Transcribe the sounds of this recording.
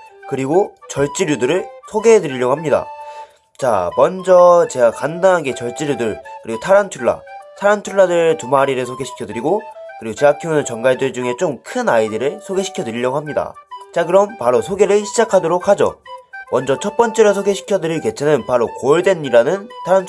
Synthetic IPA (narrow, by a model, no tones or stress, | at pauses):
kɯɾiɡot͡ɕʌɭt͡ɕ͈iɾjudɯɾɯɭsʰoɡedɯɾiʎjʌɡoɦamɲida̰ | t͡ɕa̰mʌnd͡ʑʌt͡ɕe̞ɡakandanɦaɡe̞t͡ɕʌɭt͡ɕ͈iɾjudɯɭkɯɾiɡotʰaɾantʰuɭːa̰tʰaɾantʰuɭːadɯɭtumaɾiɾɯsʰoɡe̞ɕʰi̥kʰjʌdɯɾiɡokɯɾiɡot͡ɕeakʰjonɯnt͡ɕʌŋɡaɭdɯɭd͡ʑuŋe̞t͡ɕ͈omkʰɯnaidɯɾɯɭsʰoɡe̞ɕʰi̥kʰjʌdɯɾiʎjʌɡoɦamɲida̰t͡ɕakɯɾʌmpaɾosʰoɡe̞ɾɯɭɕʰid͡ʑakʰadoɾok̚had͡ʑo̰mʌnd͡ʑʌt͡ɕʰʌt̚p͈ʌnt͡ɕ͈eɾɯsʰoɡe̞ɕʰi̥kʰjʌdɯɾiɭke̞t͡ɕʰe̞nɯnpaɾokoɭdwe̞nːiɾanɯntʰaɾanʰ